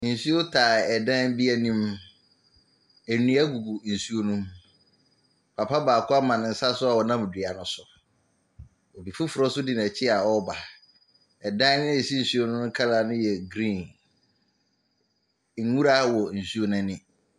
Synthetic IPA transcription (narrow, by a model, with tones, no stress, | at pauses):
n̩˨su˦o˦tʰaː˨ɛ˨dã˦nbi˦ɛ˦nĩ˦m | æ˨nũ˨˦a˦ɡu˨ɡu˨n̩˨su˦o˦nũ˦m | pʰa˨pʰa˦baː˨kʰʊ˦a˦mã˨nɪ̃˨n̩˨sa˦sʊ˦a˨wɔ˨nã˦m˨di˨a˨nʊ̃˦sʊ˨ | ɔ˨bi˨fu˦fʊ˨ɾɔ˦sʊ˦dɪ˦ñ˨t͡ɕʰɪ˦a˨ɔ˦ba˨ | ɛ˨dã˦n˦nɪ̃˦ɛ˨si˦n̩˨su˦o˦nʊ̃˦ʊ̃˦kʰa˦la˨nʊ̃˦jɛ˨ɡɾĩ˦˨n | ŋ̩˨˦ŋũ˦ɾa˦wɔ˨n̩˨su˦o˦nʊ̃˦nɪ̃˦